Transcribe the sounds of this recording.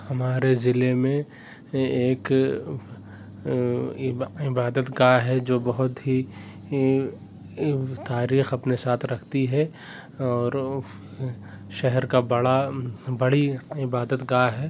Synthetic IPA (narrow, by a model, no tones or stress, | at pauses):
hɐmaːɾezɪlemẽ | eːk | ɪɪbaːd̪ət̪ɡaːɦɛd͡ʒoːbɐɦʊt̪ɦi | t̪aːɾiːxɐpnesaːt̪ʰɾɐkʰt̪iɦɛ | ɔːɾ | ʃɛɦɛɾkabɐɽabɐɽiɪbaːd̪ət̪ɡaːɦɛː